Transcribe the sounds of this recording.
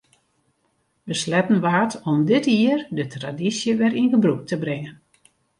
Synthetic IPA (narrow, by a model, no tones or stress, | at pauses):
ʋəslɛtən̩ʋaːtʰɔmdɪtiərdətradisjəʋɛrinɣəbruk̚tʰəbrɪŋən